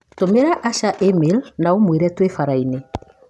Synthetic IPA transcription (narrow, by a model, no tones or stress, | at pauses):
tomeɾaʔaʃaʔemelnaomweɾɛtwefaɾaine